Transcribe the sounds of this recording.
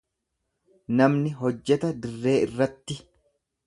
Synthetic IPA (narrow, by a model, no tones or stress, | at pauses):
nɐmnɪɦɔd͡ʒːɛt̪ɐd̪ɪrːe̞ːɪrːɐt̪ːɪ